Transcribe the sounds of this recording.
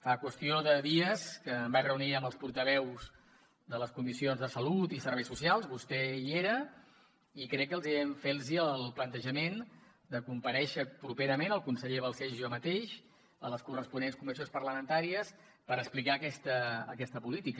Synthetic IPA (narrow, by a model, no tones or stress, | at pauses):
fakwəst̪ioðəðiəskəmbajrəuniəməlˠspuɾt̪əβ̞ɛwz | d̪ələskumisionzðəsəlut̪isəɾβɛjsusialˠzβust̪ɛieɾə | ikɾɛkːəlˠziɛɱfelˠziəlˠplənt̪əʒəmen | d̪əkumpəɾɛʃəpɾupeɾəmenəlˠkunsəʎeβəlˠsɛʒʒɔmət̪eʃ | ə̰ləskurəspunenskumisijonspərləmənt̪aɾiəs | pəɾəksplikaəkɛst̪ə̰ːkɛst̪əpulit̪ik